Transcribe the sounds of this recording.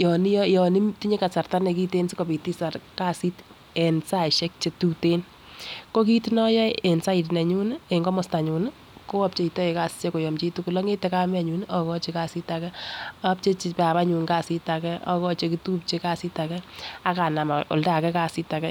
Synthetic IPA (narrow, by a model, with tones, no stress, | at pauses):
jɔ˨ni˦jɔ˦jɔ˨ni˦mti˦ɲe˦ka˨sa˨rta˦nɛ˨ki˦te˦nsi˦ko˨pi˨ti˦sa˨ɾka˦si˦t | ɛ˨nsa˦˨ʃɛ˦k̚t͡ʃe˨tu˦te˦n | ko˦k̬i˦tinɔ˦jɔ˦e˨nsa˦i˨t̬nɛ˨ɲu˦ne˨ŋɡɔ˦mɔ˨sta˨ɲu˨n | ko˦a˦p̚t͡ʃe˦˨i˨tɔ˦e˨ka˦si̥˦t͡ʃe˦ko˨jɔ˨mt͡ʃi˦tuku˨lɔ˦ŋe˦tɛ˦ka˦mɛ˦˨ɲu˦nɔ˨kɔ˦t͡ʃe˨ka˦si˦ta˨kɛ˦ap̚t͡ʃe˦t͡ʃi˨pa˨pa˦ɲu˨ŋka˦˨si˦ta˨kɛ˦ʔɔ̰˦kɔ˦t͡ʃe˨ki˦tu˦p̚t͡ʃe˦ka˦si˦ta˨kɛ˦a˦ka˨na˨ma˨o̰˨lda˦˨kɛ˦ka˦si˦ta˨kɛ˦